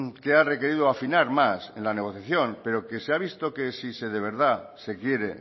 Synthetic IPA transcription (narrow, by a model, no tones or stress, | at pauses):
keare̞ke̞ɾiðoafinaɾmase̞̰nlane̞ɣ̞o̞θjaθjo̞ŋpe̞ɾo̞ke̞seaβ̞ist̪oke̞sise̞ðe̞β̞e̞ɾð̞ase̞kje̞ɾe̞